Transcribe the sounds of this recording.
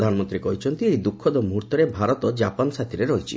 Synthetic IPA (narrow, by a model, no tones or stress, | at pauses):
d̪ʱanɔmɔnt̪ɾikɔɦit͡ʃʰɔnt̪iejd̪ukʰːɔd̪ɔmuɦuɾt̪ɔɾebʱaɾɔt̪ɔd͡ʒapansat̪ʰiɾeɾɔɦjt͡ʃʰḭ